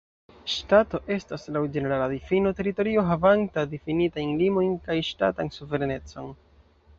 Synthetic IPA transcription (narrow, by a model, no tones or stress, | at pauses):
ʃtato̞ʔe̞staslawd͡ʒe̞ne̞ɾaladifinote̞ɾito̞ɾio̞ɦavantadifinitajnlimo̞jnkajʃta̰tansuve̞ɾene̞t͡so̞n